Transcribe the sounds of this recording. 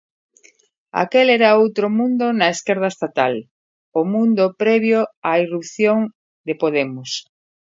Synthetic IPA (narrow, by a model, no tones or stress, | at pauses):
a̰kelɛɾaowt̪ɾomũnd̪onɐeskɛɾð̞ɐest̪at̪al | ʊmũnd̪opɾɛβjoairup̚θjoŋ | d̪epoðɛmʊs